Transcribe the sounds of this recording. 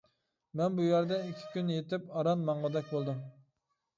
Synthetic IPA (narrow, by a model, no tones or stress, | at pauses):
mɛnbujæɾd̪ɛikʲʰi̥kʲynjet̪ɪpɑɾɑnmɑɴʁɑd̪ɛk̚ʲbolˠd̪ɨ